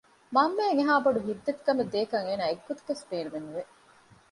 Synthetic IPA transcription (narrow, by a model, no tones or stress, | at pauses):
mɐmːeːŋeɦaːboɖuɦid̪ːet̪kɐmed̪eːkɐŋeːnaːeɡːot̪u̥kesbeːnuʋenːuʋe